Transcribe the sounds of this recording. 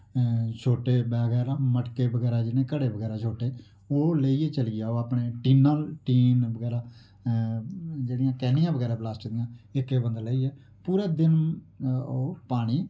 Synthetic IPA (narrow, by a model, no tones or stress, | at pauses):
t͡ʃʰoːʈeːbəɡɛːɾaːməʈkeːbəɡɛːɾaːd͡ʒɪnẽːkəɽeːbəɡɛːɾaːt͡ʃʰoːʈeː | oːləiːeːt͡ʃəliːaːoːaːpɳeːʈiːnãːlʈiːnbəɡɛːɾaː | d͡ʒeːɽɪijãːkɛːnijãːbəɡɛːɾãːblaːsʈd̪ɪjãːɪkeːbənd̪ləːiːɛː | puːɾɛːd̪ɪn | oːpaːɽ̃iː